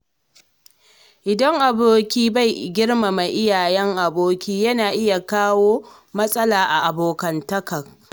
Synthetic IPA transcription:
ʔɪ˨dɐ˦ŋʔa˨boː˦kʲiː˦ba˦˨jɡʲɪ˦ɽma˨ma˨jʔɪ˦jaː˨jɛ˦ŋʔa˨boː˦kʲiː˦jɐ˦naː˨ʔɪ˦ja˨kaː˦woː˦ | mɐ˦sʼɐ˦laː˨ʔa˨ʔa˨boː˨kɐ˨ntɐ˦kɐ˨k

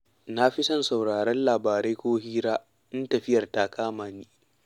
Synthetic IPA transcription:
na˦ɸi˦sɐ˦nsa˨wɽaː˨ɾɛ˦nlaː˨baː˨ɾe˦jkʷoː˦ɦiː˦ɾaː˦ | ʔɪ˦ntɐ˨ɸɪ˦jɐ˨rta˦kʰaː˦maː˨niː˦

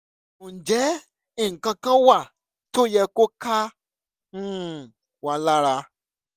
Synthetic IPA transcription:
d͡ʒɛ˨˦ | i˨ŋ̩˨kã˧kã˦wa˦˨ | to˦jɛ˧ko˦kã˦˨ | wa˧la˦ɾa˧

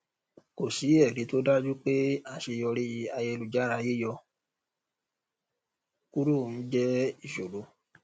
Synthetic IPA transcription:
ko˨si˨˦ɛ˦˨ɾi˨˦to˦da˦d͡ʒu˦k͡pe˦a˦˨ʃe˧jɔ˧ɾe˦ji˧a˧je˧lu˨d͡ʒa˦ɾa˧˦je˦jɔ˧ | ku˦ɾu˦˨n̩˦d͡ʒɛ˦i˦˨ʃo˨lo˨˦

